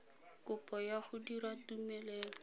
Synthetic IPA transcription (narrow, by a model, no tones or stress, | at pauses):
kʊpɔjaχʊdiratumɛlɛːlɔ